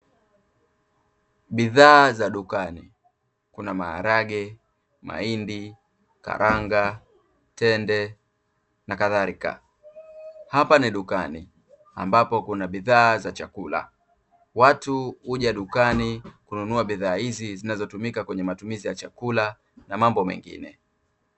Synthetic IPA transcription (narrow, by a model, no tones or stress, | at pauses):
ɓiðaːzaɗukanḭ | kunama̰ːɾaɡɛ | ma̰indi | ka̰ɾʔaŋɡa | tɛndɛ | nakaðaɾika̰ | hapaniɗukanḭ | a̰mbapɔkunaɓiðaːzat͡ʃakula̰ | watuuʄaɗukanikununuaɓiðaːhizizinazɔtumikakwɛɲɛmatumizijat͡ʃakula | namambɔmɛ̰ŋɡḭnɛ